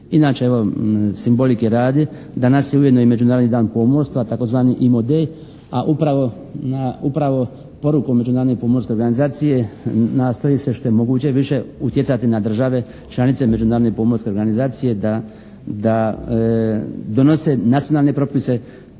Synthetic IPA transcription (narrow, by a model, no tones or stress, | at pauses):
inaːt͡ʃe̞eʋo̞simbo̞likeɾaːd̪i | d̪anasjeuje̞d̪noime̞d͡ʑunaːɾod̪nid̪aːnpomoɾst̪ʋat̪ako̞zʋaːniʔimod̪ej | aʔupɾaʋo̞ | naupɾaʋo̞ | po̞ɾukome̞d͡ʒunaːɾod̪nepomoɾskʲeɾɡanizaːt̪sije̞naːst̪ojiseʃt̪o̞je̞mo̞ɡuːt͡ɕe̞ʋiʃe̞ut̪jet̪sat̪inad̪r̩ʒaʋe̞ | t͡ʃlˠanit̪se̞me̞d͡ʒunaːɾod̪nepomoɾske̞oɾɡanizaːt̪sije̞d̪a | d̪a | d̪o̞no̞se̞nat̪sijo̞nalne̞pɾo̞pise̞